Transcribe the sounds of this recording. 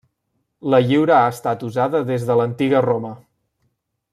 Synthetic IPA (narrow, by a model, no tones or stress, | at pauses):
ləʎiwɾəaəst̪at̪uzaðəðezðələnt̪iɣəromə